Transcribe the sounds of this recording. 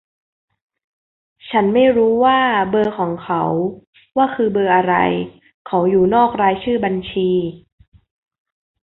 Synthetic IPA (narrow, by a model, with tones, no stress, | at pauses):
t͡ɕʰa˦˥nma˥˩jɾuː˦˥waː˥˩bɤː˧kʰɔː˩˦ŋkʰa˦w | waː˥˩kʰɯː˧bɤː˧ʔa˧ɾa̰˧j | kʰa˨˦˥wjuː˨˩nɔː˥˩k̚ɾaː˧jt͡ɕʰɯː˥˩ba˧nt͡ɕʰiː˧